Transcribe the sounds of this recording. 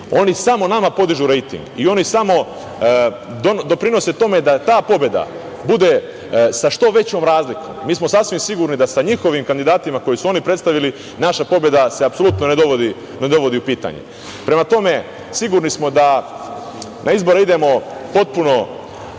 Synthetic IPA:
o̞nisamo̞namapo̞d̪iʒuɾe̞jt̪ḭŋɡio̞nisamo̞ | d̪ond̪o̞pɾino̞set̪o̞me̞d̪at̪aːpo̞bjed̪a̰ | bud̪e̞ | saʃt̪o̞ʋe̞t͡ɕo̞ːmɾaːzliko̰mmːiːsmosasʋimsiɡuɾnid̪asaɲixo̞ʋimkand̪id̪aːt̪imako̞jisuo̞nipɾe̞t̪st̪aʋili | naʃapo̞bje̞d̪ase̞apso̞lˠut̪noned̪o̞ʋod̪i | ne̞d̪o̞ʋo̞d̪iupiːt̪a̰ɲḛ | pɾe̞mat̪o̞me̞ | siɡuɾnismo̞d̪a | nʔaizbo̞ɾeid̪e̞mo̞po̞t̪̚puno̞

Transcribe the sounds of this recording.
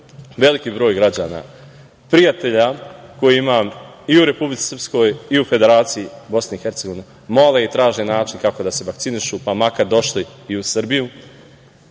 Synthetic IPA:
ʋe̞likiːbɾo̞ːjɡɾad͡ʑaːna̰ | pɾijat̪e̞ʎako̞jiimaːm | iuɾe̞publit̪i̥sr̩psko̞ːjiufe̞d̪e̞ɾaːt̪sijibo̞sneixe̞ɾt̪seɡo̞ʋine | mo̞le̞it̪ɾaːʒenaːt͡ʃinkako̞d̪ase̞ʋakt̪siniʃupamakaɾd̪o̞ʃliːusɨr̩biju

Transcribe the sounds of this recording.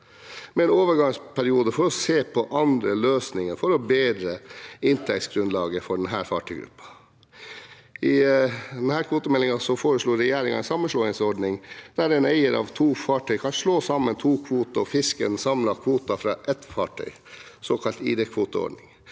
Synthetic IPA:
mɛɛnoːʋəɾɡɑŋspʰæɾɪuːd̪əfɔɾɔseːpʰɔʔɑnd̪ɾəløːsnɪŋəɾfɔɾɔbeːd̪ɾəɪnt̪ʰɛk̚t̪sɡɾʉnlɑːɡəfɔɖɛnɦæːɾfɑ̰ːʈʰœʏɡɾʉ̰pːɑ̥ | ɪd̪ɛnhæːɾkʰʋuːt̪əmɛlːɪŋɑsɔfoːɾəʂɭuːɾɛjæːɾɪŋɑ̰sɑmːənʂɭɔːɪŋsɔɖɳɪŋd̪̥æɾɛnæɪəɾʔɑ̰ʋt̪ʰuːfɑːʈʰœʏkʰɑnʂɭoːsɑmːənt̪ʰuːkʰʋuːt̪ɑɔfɪskə̰nsɑmlɑkʰʋuːt̪ɑfɾɑːʔɛt̪fɑːʈʰœ̰ʏ | soːkʰɑlt̪ḭːd̪ɛkʰʋuːt̪əɔ̰ɖɳɪŋ

